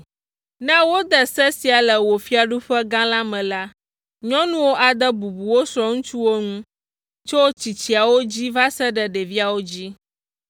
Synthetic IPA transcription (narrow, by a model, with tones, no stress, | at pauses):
nã˦wo˦d̪ɛ˨sɛ˦si˨a˨lə˨wo˨fi˦a˨ɖu˦ɸɛ˦ɡã˦la˦mɛ̃˨la˦ | ɲɔ̃˦nũ˦wo˦ʔa˨d̪ə˦bu˨bu˨wo˦sɾɔ˦ŋũ˦t͡ʃu˦wo˦ŋũ˦ | t͡ʃo˦t͡ɕi˨t͡ɕi˨a˨wo˦d͡ʑi˦va˦sɛ˦ɖə˨ɖɛ˨vi˦a˨wo˦d͡ʑi˦